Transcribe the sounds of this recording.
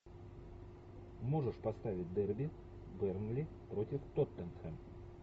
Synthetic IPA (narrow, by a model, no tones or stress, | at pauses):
mo̞ʐɨʂpɐst̪avʲɪt̚ʲd̪ɛrbʲɪ | bɛrnlʲɪpɾo̞tʲɪft̪ot̪ːənxɛm